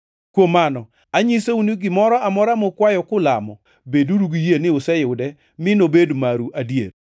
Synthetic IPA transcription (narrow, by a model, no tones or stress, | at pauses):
kwomanɔ | aɲiseuniɡɪmɔɾɔamɔɾamɔkwajɔkʊla̰mɔ | beduɾuɡijenɪʊsɛjʊdɛ | mɪnobedmaɾuʔadjeɾ